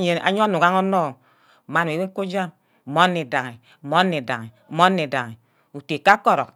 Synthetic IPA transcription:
ɲe˨a̰˨ɲɔ˦nu˨ɣa˦ŋɔ˦nɔ˦˨ | ma˦n˨e˨be˦ŋ̩˦ko˦d͡ʒa˦m̩˨ | mɔ˦nːe˨da˨ŋe˨ | mɔ˦nːe˨da˨ŋe˨mɔ˦nːe˨da˨ŋe˨ | u˨te˨ka˦kɔ˦ɾɔ˨k

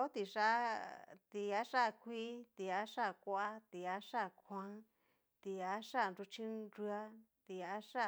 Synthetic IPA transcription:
o˦t̪i˧ʂa˦t̪i˧a˦ʂa˦˧kʷi˦t̪i˧a˧˦ʂa˦˧˨kʷa˧a˦t̪i˧a˧˦ʂa˦˨kʰʷã˧˦ | t̪i˧a˧˦ʂa˦˨nɾu˧t͡ʃĩ˦ɾu˧a˦ | t̪i˧a˧˦ʂa˦˨

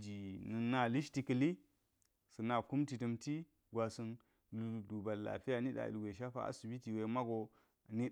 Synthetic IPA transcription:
d͡ʒi˨nɨ˨nːa˦li˦ʃti˨kə˨li˦ | sɨ˨na˨ku˦mti˨tə˨mti˦ | ɡʷa˨su˦n | lu˨du˨ba˨lːa̰˨fi˦ja˨ni˦ɗa̰˨lɡʷe˨ʃ̬a˦fa̰˨a̰˦su˨bi˦ti˨we˨ma˦ɡo˨ | ni˦

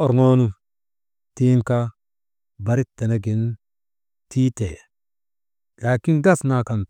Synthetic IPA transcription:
o˨ɾŋo˦nu˦ | ti˦ŋka˦ | ba˨ɾi˦tːe˨na˦ɡi˨n | tiː˦te˨ | la˨ki˦nɡa˦˨sna˨ka˨n

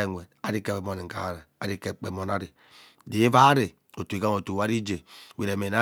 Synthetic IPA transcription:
e˨ŋʷe˨a˨ɾi˦ke˦˨mo˨ni˨ŋ̩˨ka̰˨˦ɾe˨a˦ɾi˦ke˨k͡pe˨mo˨na˦ɾi˨ | di˨e˦va˦ɾe˨ | o˨tu˨i˨ka˦o˨tu˨˦a˦ɾi˦d͡ʒe˨we˨ɾe˨me˨na˦

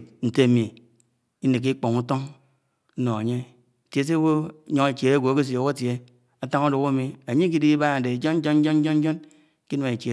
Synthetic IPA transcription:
n̩˨te˦˨mi˨ | i˦ne˨k̬ːi˦k͡po˨ŋu˦to˦ŋ | n̩˦no˨a˨ɲe˦˨ | tje˨˦s̬e˦wo˦ɲo˨ŋe˨t͡ʃe˨ɾe˦ɡʷo˨ke˦s̬i˨o˨ka˦tje˦ | a˦ta˦ŋu˦du˨˦ka˦mi˨a˨ɲe˦k̬i˦di˦ba˦a˨de˨d͡ʒo˦n̩˦d͡ʒo˦n̩˦d͡ʒo˦n̩˦d͡ʒo˦n̩˦d͡ʒɔ˦n | ki˦na˨ŋe˨t͡ʃe˨

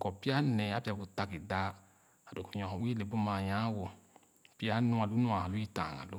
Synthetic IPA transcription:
kɔ˨pi˦a˦nɛ˨a˦pi˦a˧˨ku˨ta˧ki˨da˧˦ | a˨do˨ku˨ɲɔ̃˨wi˦le˨˦bu˦mãː˧˨jã˨˦wo˧ | pi˦a˦nũ˦a˨lu˨˦nũ˦a˨ã˨lu˨˦i˦tã˨ŋa̰˨lo˨˦

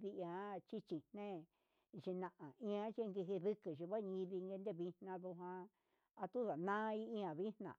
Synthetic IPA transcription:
ði˧ã˧˦t͡ʃi˦t͡ʃi˨nnẽ˦ | ʒi˧nã˧ʔã˨ĩ˧ã˧˦t͡ʃi˦˧ŋɡi˧ɦi˧ðɨ˦kɨ˨ʃi˨˧βa˦˧ɲĩ˧ði˧ŋɡe˧nd̪e˦˨βi˧nnã˧ðu˧ɦã˧ | a˧t̪u˦ða˨nã˦˧i˦ĩ˧ã˨βi˦nnã̰˨

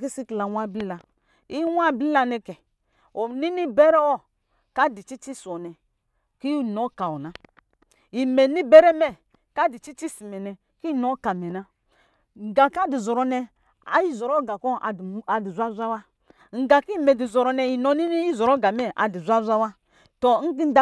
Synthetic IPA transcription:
ki˦si˦ki˨la˨wa˦˨bli˦la˨ | i˦wa˦˨bli˦la˦nɛ˦kɛ˨ | o˨ni˦ni˦be˦ɾɛ˦ɔ˦ | ka˦di˨t͡ʃi˦t͡ʃi˦sɔ˨nɛ˨ | ki˦˨no˦ka˨ɔ˨na˦ | i˨me˨ni˦be˦ɾɛ˦mɛ˦ | ka˦˨di˨t͡ʃi˦t͡ʃi˦si˨mɛ˨nɛ˨ | ki˦no˦ka˨mɛ˨na˦ | ŋ̩˨ɡa˨ka˦di˨zɔ˨ɾo˦nɛ˦ | a̰˨i˦zɔ˨ɾo˦ɡa˨kɔ˦˨a˨di˨zʷa˦zʷa˦wa˦ | ŋ̩˨ɡa˨ki˦˨me˨di˨zɔ˨ɾɔ˨nɛ˨i˨no˦ni˦ni˦i˦zɔ˨ɾo˦ɡa˨mɛ˦ʔa̰˨di˨zʷa˦zʷa˦wa˦ | to˨˦ŋ̩˦ɡi˦n˦da˦

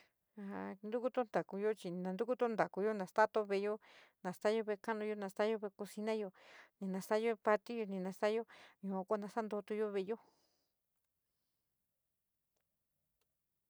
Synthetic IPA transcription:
a˧˨a˧nd̪u˦ku˦t̪o˦nd̪a˨ku˧jo˦t͡ʃi˧nã˧nd̪u˦ku˦t̪o˦nd̪a˨ku˧jo˦nã˨st̪a˦t̪o˧βe˧˨jo˦nã˨st̪a˦jo˦βe˧ka˦nũ˧jo˧nã˧st̪a˦jo˦βe˧ku˧si˧nã˦jo˧nĩ˨˧nã˧sa˦jo˦˧pa˧t̪i˦jo˧nĩ˧˨nã˧sa˦jo˦ɲũ˧˨a˧kʷa˦˧nã˧sa˦nd̪o˧t̪u˧jo˦βe˧jo˦

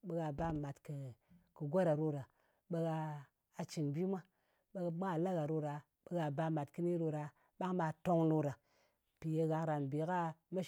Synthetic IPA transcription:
ɓe˦ɣa˧ba˦ma˨tkɨ˨kɨ˨ɡʷo˦ɾa˨ɾo˦ɾa˨ | ɓe˦ɣaː˧˨ | t͡ʃi˨nbi˦mʷa˦ | ɓe˧˨mʷa˦˨la˦ɣa˨ɾo˦ɾa˨ | ɓə˦ɡa˧ba˧ma˨tkɨ˦ni˦ɾo˧ɾa˨ | ɓa˦ŋma˧to˦ŋno˧ɾa˨ | pi˨je˧ɣa˨ɾa˨nbi˨˦ka˦me˦

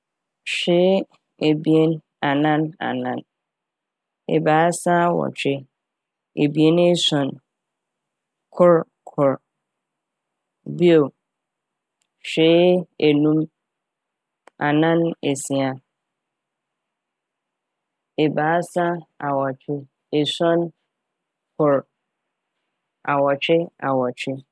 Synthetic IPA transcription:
ɕᶣɪː˦ | e˨bi˨e˦n | a˨nã˦na̰˨nã˨n | ḛ˨baː˨˦sa˦˨wɔ̰˨t͡ɕᶣɪ˦ | e˨bi˨e˦ne˦sɔ̃˨n | kʰʊ˦ɾ | kʰʊ˨ɾ | bi˦o˨ | ɕᶣeː˨˦e˨nũ˦m | a̰˨nã˦ne˨si˨a˨ | e˨baː˨˦sa˦a˨wɔ˨t͡ɕᶣʰɪ˦ | e˨sɔ̃˦n | kʰʊ˨ɾ | a˨wɔ˨t͡ɕᶣɪ˦a̰˨wɔ˨t͡ɕᶣɪ˦

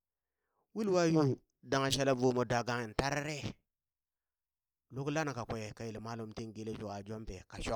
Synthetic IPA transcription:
wi˦lwa˦ju˦ | da˨ŋa˨ʃa˦la˦vo˨mo˨da˨ɡa˨ŋi˨n˨ta˦ɾɾe˦ | lo˦kla˦na˨ka˨kʷe˨ka˨ji˨lma˦lu˨mti˦ŋɡe˦le˦d͡ʒo˨a˨d͡ʒo˦mpe˨ka˨ʃo˦k

